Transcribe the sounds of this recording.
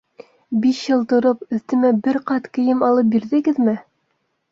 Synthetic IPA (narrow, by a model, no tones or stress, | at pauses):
biʃjɤlˠt̪ŏɾopɵ̆θt̪ɘ̆mæbɘɾqɑt̪kɘ̆jɘmɑlˠɤp̚biɾðɘ̆ɡɘðmɘ